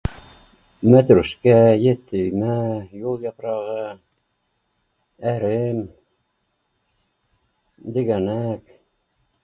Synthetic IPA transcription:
mæt̪ɾʉʃkæjet̪ːɘjmæjulˠjɑpɾɑʁɤ | æɾɘm | d̪ɘ̆ɡænæk

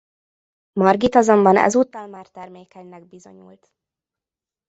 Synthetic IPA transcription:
mɒrɡit̪ɒzombɒnɛ̰zuːt̪ːɒːlmaːrt̪ɛrmeːkɛɲnɛɡ̚bizo̞̰ɲṵːlt̪

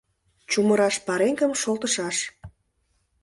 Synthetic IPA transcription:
t͡ɕuməɾɑʃpɑɾeŋkəmʃolt̪əʃɑʃ

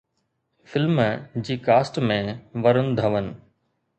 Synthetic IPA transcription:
fɪlmd͡ʑiːkaːsʈmẽʋɐɾən̆d̪ʱɐʋənɪ̆

